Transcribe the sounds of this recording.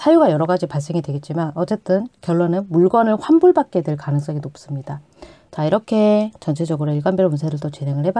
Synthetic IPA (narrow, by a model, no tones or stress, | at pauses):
sʰajuɡajʌɾʌɡad͡ʑipaɭs͈e̞ŋidwe̞ɡe̞t̚t͡ɕ͈imanʌt͡ɕ͈e̞t͈ɯnkjʌɭːonɯnmuɭɡʌnɯɭɸwambuɭbak̚k͈e̞dwe̞ɭkanɯŋs͈ʌŋinop̚s͈ɯmɲida | t͡ɕaiɾʌkʰe̞t͡ɕʌnt͡ɕʰe̞d͡ʑʌɡɯɾoiɭɡanbjeɾomunsʰeɾɯɭt͈ʌt͡ɕeneŋɯɭheba